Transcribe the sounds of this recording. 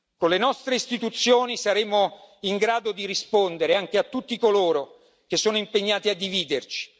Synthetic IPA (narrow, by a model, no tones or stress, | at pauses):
konlenɔst̪ɾeist̪it̪ut̪sːjoːnisaɾeːmoiŋɡɾaːd̪od̪iɾispond̪eɾeaŋk̟eat̪ːut̪ːikoloːɾo | k̟esːoːnoimpeɲːaːt̪iad̪ːiviːd̪ert͡ʃi̥